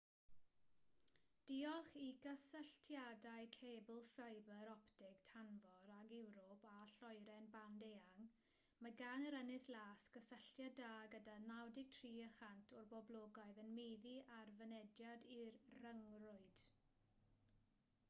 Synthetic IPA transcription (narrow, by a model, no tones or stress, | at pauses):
d̥iɔχiɡəsəɬtʰjadaɨkʰeːbəlˠfaɨbəɾɔptɪɡtʰanvɔɾaɡɛwɾɔpʰaɬɔjɾɛnbandejaŋ | maɡanəɾənɪslaːsɡ̥əsəɬjadaːɡədanawdɪɡ̥̚tʰriːəχantʰʊrbɔblˠoːɡaɨðənmejðiʔarvənɛdjadirrəŋrʊɨd̥